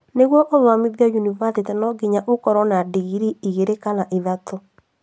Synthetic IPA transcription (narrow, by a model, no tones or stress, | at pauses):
neɣwɔʔɔmwamiðjajunivasetnɔɡiɲaʔokɔɾɔnadiɣiɾiiɣeɾekanaʔeðatʰo